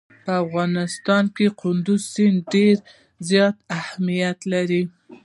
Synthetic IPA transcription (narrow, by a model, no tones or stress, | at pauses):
pəafɣɑnɪst̪ɑnkeqʰʊnd̪ʊzsinɖeɾ | zjɑt̪ahmijat̪laɾi